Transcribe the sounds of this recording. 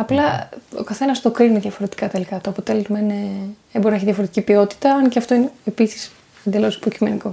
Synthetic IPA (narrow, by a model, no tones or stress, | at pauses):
ɐplɐo̰kɐθe̞nɐst̪o̞kɾinumieðjʝɐfo̞ɾe̞t̪i̥kɐt̪elikɐt̪oɐpo̞t̪e̞lezmɐine | eboɾinɐeçiðjʝɐfoɾe̞t̪icʲipio̞t̪i̥t̪ɐɐnceɐft̪o̞ineepisi̥s | end̪elo̞spɾocime̞niko̞